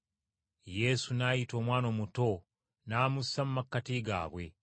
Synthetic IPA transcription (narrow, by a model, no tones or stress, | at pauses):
je̞sunajito̞ːmwaːno̞muto̞ | naːmusːamumakːatiɡa̰ːβwe̞